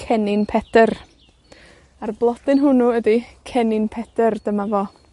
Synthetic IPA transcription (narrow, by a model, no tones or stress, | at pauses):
kʰɛnɪnpʰɛdər | arblˠɔd̥ɪnɦʊnuədikʰɛnɪnpʰɛdərd̥əmavɔ